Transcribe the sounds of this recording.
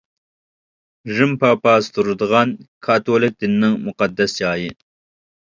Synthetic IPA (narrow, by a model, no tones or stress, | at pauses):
ʒɪmpɑːpɑːst̪uɾɨd̪ʁɑnkʰɑt̪oːlɪk̚d̪ɪnːɪŋmʊqɑd̪ːɐsjɑːji